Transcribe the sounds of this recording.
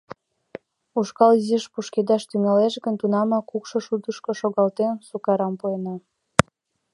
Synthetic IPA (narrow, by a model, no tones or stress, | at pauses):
uʃkɑliziʃpuʃked̪ɑʃt̪yŋɑleʃɡənt̪unɑmɑkukʃoʃud̪əʃkoʃoɣɑlt̪ensukɑɾɑmpuenɑ